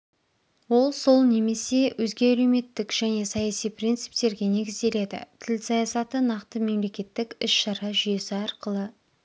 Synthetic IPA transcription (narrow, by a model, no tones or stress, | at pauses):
wo̞lˠso̞lˠne̞me̞se̞wʔɵzɡʲe̞æle̞wme̞t̪ːɪkʒ̥æne̞sɑjɑsijprint̪sɨ̥p̚t̪e̞ɾɡʲe̞ne̞ɡʲɪzd̪e̞le̞d̪ɪ̰t̪ʰɪlsɑjɑsɑt̪ənɑqt̪əme̞mle̞kʲe̞t̪ːɪkʲɪʃʃɑɾɑʒʏjesɪɑɾqəlˠə